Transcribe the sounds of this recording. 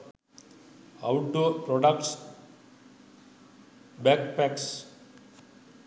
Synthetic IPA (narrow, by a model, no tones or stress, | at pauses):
a̰ʊʈ̚ɖoːpɾɔɖakʈs | bɛkpɛks